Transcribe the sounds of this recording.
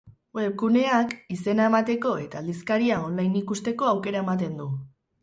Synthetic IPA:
ep̚kune̞akise̞nae̞mat̪e̞ko̞e̞t̪aːld̪iskaɾiao̞nlajnikust̪e̞ko̞awke̞ɾae̞mat̪e̞nd̪u

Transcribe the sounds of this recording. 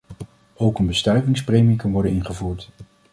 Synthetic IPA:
owkənbəstœɥvɪŋsprejmɪŋkɑnʋɔɹdənɪnχəvuːɹt

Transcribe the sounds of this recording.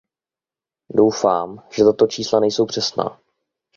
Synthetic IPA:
do̞wfaːmʒ̥ɛt̪at̪o̞t͡ʃiːslanɛjso̞wpr̝̥ɛsna̰ː

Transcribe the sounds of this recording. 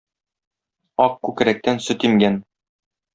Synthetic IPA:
ɒq̚kːʉk̆ɾæk̚t̪ænsɵ̆t̪iŋɡæn

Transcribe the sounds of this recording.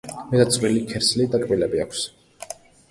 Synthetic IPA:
mɛd̪at̪sʼvwilikʰɛɾslid̪akʼbilɛbiakʷʰs

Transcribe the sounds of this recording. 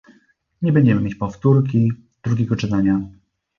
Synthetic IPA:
ɲɛbɛɲd͡ʑɛmɘmjet͡ɕpɔft̪uɾk̬ʲi | d̪ɾuɡʲɛɡɔt͡ʂɘt̪aɲa

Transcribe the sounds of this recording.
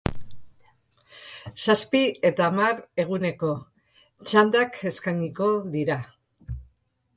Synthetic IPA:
saspie̞t̪aːmaɾe̞ɣ̞une̞ko̞ | t͡ʃand̪ake̞skaɲiko̞ðiɾa

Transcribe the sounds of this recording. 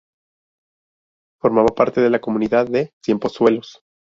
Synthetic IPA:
fo̞ɾmaβapaɾt̪e̞ð̞e̞lako̞mũniðaðːe̞sje̞mpo̞swe̞lo̞s

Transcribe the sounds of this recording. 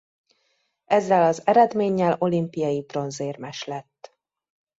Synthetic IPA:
ɛzːɛlɒzɛɾɛd̪meːɲːɛlo̞limpijɒjibro̞nzeːrmɛʃlɛt̪ː

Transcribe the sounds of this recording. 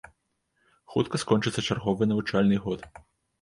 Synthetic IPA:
xut̪kɐskɔnt͡ʂɨt̪sːɐt͡ʂarɣɔvɨjnɐvut͡ʂalʲnɨjɣɔt̪

